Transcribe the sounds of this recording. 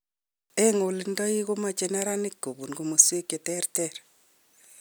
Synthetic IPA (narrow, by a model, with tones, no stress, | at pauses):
e˦ŋo˨li˦ndɔ˦i˦ɣo˦ma˨t͡ʃe˨na˦ɾa˦nɪ˦kːo˨bu˨nɡo˨mo˨swe˦kːe˨tɛ˦ɾtɛɾ